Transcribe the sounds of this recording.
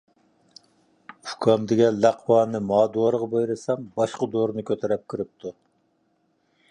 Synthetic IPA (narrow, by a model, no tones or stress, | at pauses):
ukʰɑmd̪ɪɡʲɛlæqʰwɑːnɨmɑːd̪uwɑɾʁɑbejɾɨsɑmbɑʃqɑd̪oɾnɨkʲʰøt̪ʰɛɾɛp̚kʲʰiɾɪp̚t̪ʰu